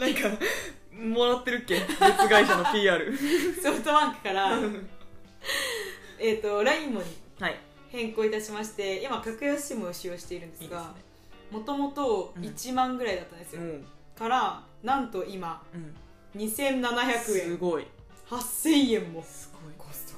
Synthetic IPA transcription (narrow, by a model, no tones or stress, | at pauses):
nãŋka | moɾat̪ːe̞ɾɯ̟kːeet͡sɨɡaiɕanopʲiːaːɾɯ̟so̞ɸɯ̟t̪o̞bãŋkɯ̟̥kaɾa | e̞t̪ːo̞ɾaĩmːo̞ɲ̟ihai | hẽ̞ŋko̞ːit̪aɕimaɕi̥t̪e̞imakʲakɯ̟jasimoɯɕijoːɕi̥t̪e̞iɾɯ̟̃nd̪e̞sɨɡa | mo̞t̪o̞mo̞t̪o̞it͡ɕimãŋɡɯ̟ɾaid̪at̪ːãnd̪esɨjokaɾa | nãnt̪o̞ima | ɲ̟isẽ̞nːanaçakɯ̟ẽ̞ɡoi | hasẽẽmːo̥